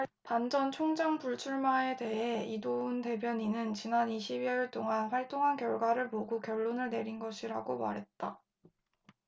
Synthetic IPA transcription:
pand͡ʑʌnt͡ɕʰoŋd͡ʑaŋpuɭt͡ɕʰuɭmae̞te̞ɦe̞idounte̞bjʌɲinɯnt͡ɕinaniɕʰibiiɭt͈oŋanɸwaɭt͈oŋɦankjʌɭɡwaɾɯɭpoɡokjʌɭːonɯɭne̞ɾinɡʌɕʰiɾa̰ɡoma̰ɾɦe̞t̚t͈a

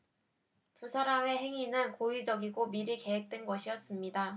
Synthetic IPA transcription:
tusʰaɾame̞ɦe̞ŋinɯnkoid͡ʑʌɡiɡomiɾike̞ɦek̚t͈we̞nɡʌɕʰijʌs͈ɯmɲida

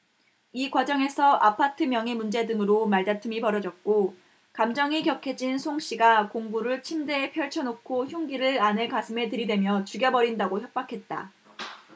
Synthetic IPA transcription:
ikwad͡ʑʌŋe̞sʰʌʔapʰatʰɯmjʌŋimund͡ʑe̞dɯŋɯɾomaɭdatʰɯmipʌɾʌd͡ʑʌt̚k͈o | kamd͡ʑʌŋikjʌkʰe̞d͡ʑinsʰoŋɕ͈iɡakoŋbuɾɯɭt͡ɕʰimdeːpʰjʌɭt͡ɕʰʌnokʰoçjoŋɡiɾɯɭanɯɭkasʰɯme̞tɯɾidwe̞mjʌt͡ɕuɡjʌbʌɾindaɡoçjʌp̚p͈akʰe̞t̚t͈a̰

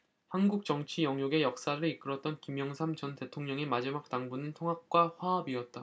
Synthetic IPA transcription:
hanɡuk̚t͡ɕ͈ʌŋt͡ɕʰijʌŋjoɡe̞jʌk̚s͈aɾɯɭik͈ɯɾʌt̚t͈ʌnkimjʌŋsʰamt͡ɕʌnte̞tʰoŋɲʌŋimad͡ʑimak̚t͈aŋbunɯntʰoŋɦak̚k͈waɸwaʌbiʌt̚t͈a

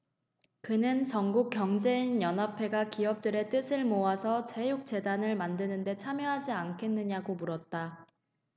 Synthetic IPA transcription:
kɯnɯnt͡ɕʌŋɡuk͈̚jʌŋd͡ʑe̞injʌnɦapʰe̞ɡakiʌp̚t͈ɯɾe̞t͈ɯsʰɯɭmoasʰʌt͡ɕe̞juk̚t͡ɕ͈e̞danɯɭmandɯnɯnde̞t͡ɕʰamjʌɦad͡ʑiankʰe̞nːɯɲaɡomuɾʌt̚t͈a

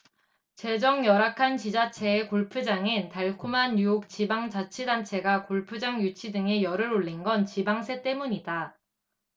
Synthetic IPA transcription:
t͡ɕe̞d͡ʑʌŋjʌɾakʰant͡ɕid͡ʑat͡ɕʰe̞ːkoɭpʰɯd͡ʑaŋentaɭkʰumɦanjujok̚t͡ɕibaŋt͡ɕat͡ɕʰidant͡ɕʰe̞ɡakoɭpʰud͡ʑaŋjut͡ɕʰidɯŋejʌɾɯɾoɭːinɡʌnt͡ɕibaŋsʰe̞t͈e̞muɲida

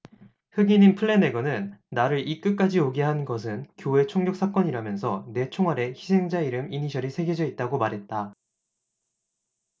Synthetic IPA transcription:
hɯɡiɲimpʰɯɭːe̞ne̞ɡʌnɯnːaɾɯɾʔik͈ɯk͈ad͡ʑioɡiɦanɡʌs̬ʰɯnkjoe̞t͡ɕʰoŋɡjʌks͈ʰak͈ʌɲiɾamjʌnsʰʌne̞t͡ɕʰoŋɦaɾe̞çisʰe̞ŋd͡ʑaiɾɯmiɲiɕʰʌɾisʰe̞ɡjʌd͡ʑʌit̚t͈aɡomaɾɦe̞t̚t͈a

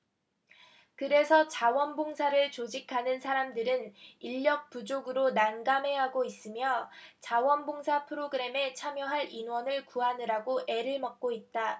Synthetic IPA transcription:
kɯɾe̞sʰʌt͡ɕawʌnboŋsʰaɾɯɭt͡ɕod͡ʑikʰanɯnsʰaɾamdɯɾɯniʎːʌk̚p͈ud͡ʑoɡɯɾonanɡame̞ɦaɡois͈ɯmjʌt͡ɕawʌnboŋsʰapʰɯɾoɡɯɾe̞me̞t͡ɕʰamjʌɦaɾinwʌnɯɭkuanɯɾaɡoʔe̞ɾɯɭmʌk̚k͈oit̚t͈a

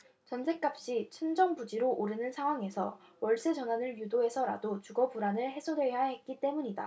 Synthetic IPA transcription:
t͡ɕʌnsʰe̞k͈ap̚ɕ͈it͡ɕʰɯnd͡ʑʌŋbud͡ʑiɾoʔoɾɯnɯnsʰaŋɦwaŋe̞sʰʌ̰wʌɭs͈ɯt͡ɕʌnanɯɭjudoe̞sʰʌɾa̰dot͡ɕuɡʌbuɾanɯɭhe̞sʰodwe̞jaɦe̞t̚k͈it͈e̞muɲida̰

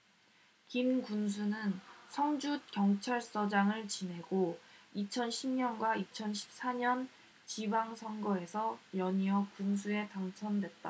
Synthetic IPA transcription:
kinkuns̬ʰunɯnsʰʌŋd͡ʑut̚kjʌŋt͡ɕʰaɭs͈ʌd͡ʑaŋɯɭt͡ɕinɦe̞ɡoit͡ɕʰʌnɕʰimɲʌnɡwait͡ɕʰʌnɕʰi̥p̚s͈aɲʌn | t͡ɕibaŋsʰʌŋɡʌe̞sʰʌjʌɲiʌkuns̬ʰue̞taŋt͡ɕʰʌndwe̞t̚t͈a

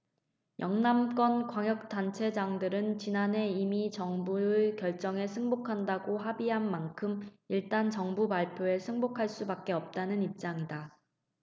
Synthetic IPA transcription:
jʔʌŋnamk͈ʌnkwaŋjʌk̚t͈ant͡ɕʰe̞d͡ʑaŋdɯɾɯnt͡ɕinane̞imit͡ɕʌŋbuɯkjʌɭt͡ɕ͈ʌŋe̞sʰɯŋbokʰandaɡoɦabiɦanmankʰɯmiɭt͈ant͡ɕʌŋbupaɭpʰjoe̞sʰɯŋbokʰaɭs͈ubak̚k͈e̞ʌp̚t͈anɯnip̚t͡ɕ͈aŋida

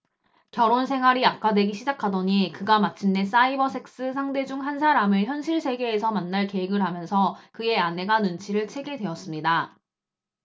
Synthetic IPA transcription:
kjʌɾonsʰe̞ŋɦwaɾiap̚k͈adwe̞ɡiɕʰid͡ʑakʰadoɲikɯɡamat͡ɕʰinːes͈aibʌsʰe̞k̚s͈ɯsʰaŋde̞d͡ʑuŋɦansʰaɾamɯɭçjʌnɕʰiɭsʰe̞ɡe̞ːsʰʌmanːaɭke̞eɡɯɭɦamjʌnsʰʌkɯe̞ane̞ɡanɯnt͡ɕʰiɾɯɭt͡ɕʰe̞ɡe̞dwe̞ʌs͈ɯmɲida

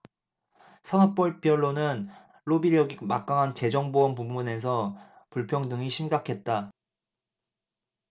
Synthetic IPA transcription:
sʰʌŋak̚p͈ʌɭp͈jʌɭːonɯn | ɭobiɾjʌɡimak͈̚aŋant͡ɕe̞d͡ʑʌŋboʌnpumune̞s̬ʰʌ | puɭpʰjʌŋdɯŋiɕʰimɡakʰe̞t̚t͈a

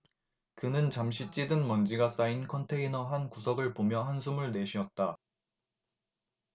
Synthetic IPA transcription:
kɯnɯnt͡ɕamɕʰit͡ɕ͈idɯnmʌnd͡ʑiɡas͈ainkʰʌntʰe̞inʌɦankusʰʌɡɯɭpomjʌɦansʰumuɭne̞ɕʰiʌt̚t͈a

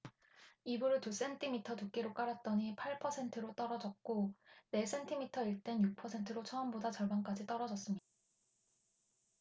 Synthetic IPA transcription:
ibuɾɯtus͈e̞ntʰimitʰʌtuk͈eɾok͈aɾat̚t͈ʌɲipʰaɭpʰʌsʰe̞ntʰɯɾot͈ʌɾʌd͡ʑʌk̚k͈one̞s͈ʰe̞ntʰimitʰʌiɭt͈e̞njuk̚pʰʌsʰe̞ntʰɯɾot͡ɕʰʌːmbodat͡ɕʌɭbank͈ad͡ʑit͈ʌɾʌd͡ʑʌs͈ɯmɲida

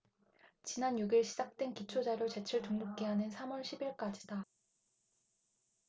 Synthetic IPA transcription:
t͡ɕinanjuɡiɭɕʰid͡ʑak̚t͈wenkit͡ɕʰod͡ʑaɾjot͡ɕe̞t͡ɕʰɯɭtuŋnok͈iɦanɯnsʰamʌɭɕʰibiɭk͈ad͡ʑida

